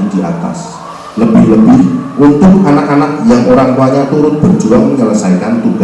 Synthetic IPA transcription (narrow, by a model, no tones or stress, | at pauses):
d̥ia̰t̪a̰s | ləbɪhləbɪhʔunt̪ʊk̚anakanak̚jaŋʔoɾaŋt̪uaɲat̪uɾʊnb̥ərd͡ʒuaŋməɲələsaikant̪uɡ̥a